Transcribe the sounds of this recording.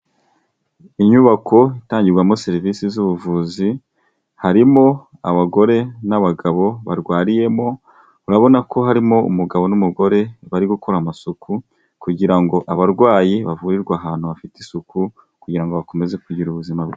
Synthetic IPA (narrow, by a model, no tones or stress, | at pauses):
iɲuβakʰo̞itaːɲɟiɾɡwamo̞se̞ɾivisizuβuvuːzi | haɾimo̞ | aβaɡo̞ɾe̞naβaɡaβo̞βaɾɡwaːɾije̞mo̞ | uɾaβo̞nako̞ɦaɾimo̞ṵmuɡaβo̞numuɡo̞ɾe̞βaɾiɡuko̞ɾamasuku | kuɟiɾaŋɡo̞ʔaβaɾɡwaːjiβavuɾiɾɡwaːɦaːn̥huβafitisuku | kuɟiɾaŋɡo̞βako̞me̞ze̞kuɟiɾuβuzimaβɡ